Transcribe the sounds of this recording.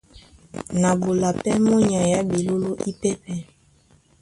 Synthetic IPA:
na˨bo˨la˨pɛ˦mɔ˦ɲa˨ja˦bi˨lo˦lo˦ʔi˦pɛ˦pɛ˦

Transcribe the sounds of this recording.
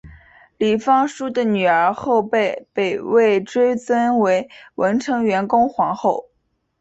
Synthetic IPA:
li˨˩fɑ˥ŋʂu˥d̪ə˨ny˨˩ə˞˧˥xo˥˧ʊpe˥˩ɪpe˨˩ɪwe˥˩ɪʈ͡ʂwe˥ɪt͡sə˥nwe˧˥ɪwʔə˧˥nʈ͡ʂʰɤ˧˥ŋɥɛ˧˥nkʊ˥ŋxwɑ˧˥ŋxo˥˩ʊ

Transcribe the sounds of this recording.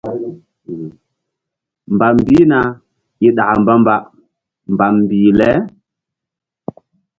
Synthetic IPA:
mba˨mbi˦na˨ | i˦ɗa˨a˨mba˦mba˦ʔ | mba˨mm˨biː˨lɛ˦

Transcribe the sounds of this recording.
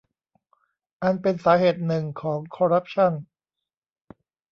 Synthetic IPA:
ʔa˧npe˧nsaː˩˦ɦeː˨˩t̪̚nɯ˨˩ŋkʰɔː˩˦ŋkʰɔː˧ɾa˦˥p̚t͡ɕʰa˥˩n

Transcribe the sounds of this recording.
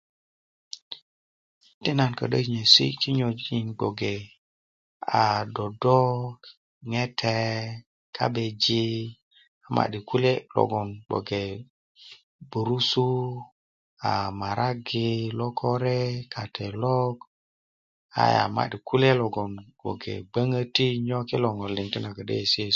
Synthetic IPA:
ti˦na˨nkə̰˨ɗə˦˨ɲe˨sḭ˦ki˦ɲo˨d͡ʒi˨nɡo˨ɡe˨ | a˨do˨do˦ | ŋe˦tʰe˦ | kʰa̰˦be˨d͡ʒi˦ | a˨ma̰˨ɗi˨ku˦le˦lo̰˨ɡɔ˨nbo̰˨ɡe˨ | bu˨ɾu˦su˦ | a˨ma˨ɾʔa˦ɡi˨˧lɔ˦kʰɔ˦ɾɛ˦kʰa˨tʰɛ˨lɔ˦ɡ | a̰˨ja̰˨ma̰˨ɗi˨ku˦le˦lɔ˨ɡɔ˨nɡ͡bo̰˨ɡḛ˨ɡ͡bə˦ŋə˦ti˦ɲɔ˦ki˦lɔ˨ŋɔ˨li˨ŋti˦na˨ɡə˨dḛ˦˨si˦˨

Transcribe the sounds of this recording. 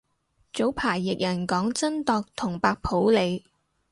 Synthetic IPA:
t͡so˨˥wpʰaː˨˩jːɪ˨k̚jɐ˨˩nkɔː˨˥ŋt͡sɐ˥nt̪ɔː˧k̚t̪ʰʊ˨˩ŋpaː˧k̚pʰo˨˥wle˨˧j

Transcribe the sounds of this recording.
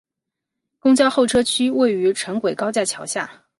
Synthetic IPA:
kʊ˥ŋt͡ɕjɑ˥ʊxo˥˩ʊʈ͡ʂʰɤ˥t͡ɕʰy˥we˥˩ɪy˧˥ʈ͡ʂʰə˧˥ŋkwe˨˩ɪkɑ˥ʊt͡ɕja˥˩t͡ɕʰjɑ˧˥ʊɕja̰˥˩

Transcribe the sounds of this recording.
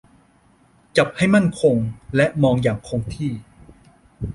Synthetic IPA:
t͡ɕa˨˩p̚ha˥˩jma˥˩nkʰo˧ŋlɛ˦˥ʔmɔː˧ŋjaː˨˩ŋkʰo˧ŋt̪ʰiː˥˩

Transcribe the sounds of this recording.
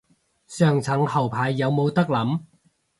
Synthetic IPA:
sœː˨˩ŋt͡sʰɐ˨˥ŋhɐ˨˩wpʰaː˨jːɐ˨˧wmo˨˧wt̪ɐ˥k̚lɐ˨˥m

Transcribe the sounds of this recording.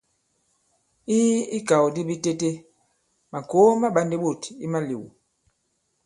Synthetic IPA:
i˦i˦ka˨wdi˦bi˦te˦te˦ | ma˨ko˨˦ma˦ɓa˦ndi˦ɓo˦˨ti˦ma˦lḭ˨wṵ˨

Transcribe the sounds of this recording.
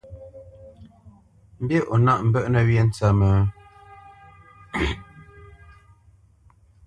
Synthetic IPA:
m̩˦bje˦ʔo˨na˦ʔm̩˨bə˦˨ʔnə˨wje˦n̩˦t͡sa˦˨mə˨

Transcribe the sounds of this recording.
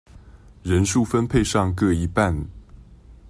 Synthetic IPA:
ɻə˧˦nʂu˥˨˩fə˦npʰe˥˧ɪʂɑ˥˧ŋkɤ˥˩i˧˥pa˥˨n

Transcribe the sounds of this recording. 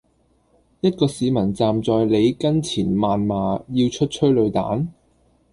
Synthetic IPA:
jɐ˥t̚kɔː˧siː˨˧mɐ˨˩nt͡saː˨mt͡sɔː˨˧jle˨˧jkɐ˥nt͡sʰiː˨˩nmaː˨nmaː˨jiː˧wt͡ʃʰɵ˥t̚t͡ʃʰɵ˥ɥlɵ˨˧ɥt̪a̰ː˨˥n

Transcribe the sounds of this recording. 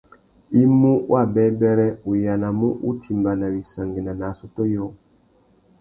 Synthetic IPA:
i˦mu˦wʔa˦˨bɛ˦bɛ˦ɾɛ˦u˨ja˨na˨mu˦ʔu˦ti˨mba˨na˨wi˨sa˨ŋɡe˨na˨na˨sɔ˦tɔ˦jɔ˦˨

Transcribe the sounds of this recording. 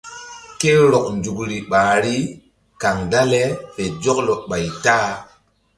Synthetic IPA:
ke˦ɾɔ˨knd͡ʒu˨kɾi˨ɓaː˨ɾi˦ | ka˨ŋda˦le˦ɓe˨d͡ʒɔ˦klɔ˨ɓa˨jtaː˦

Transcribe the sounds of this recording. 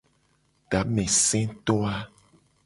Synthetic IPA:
ɖa˨˦mɛ̃˨sɛ̃˦t̪ɔ˦a˦

